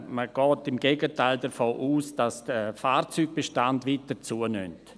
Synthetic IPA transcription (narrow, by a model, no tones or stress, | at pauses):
məɡ̥ɔːtɪmɡeːɡətʰaɪldəɾfoːʔuːsd̥asd̥əfaːrt͡syːɡ̚b̥eʃtandʋitət͡suːəny̰nt